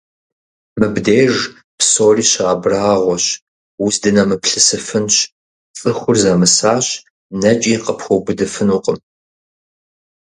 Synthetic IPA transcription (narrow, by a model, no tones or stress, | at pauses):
mɨbdeːʐ | psoːriːɕɐabraːʁʷɔɕ | wʊsdɨnɐmɨpɬɨsɨfɨnɕ | t͡sʼɨxʷʊrzɐmɨsaːɕ | nɐt͡ʃʼiːqəpxʷɔbɨdɨfɨnuːqʼəm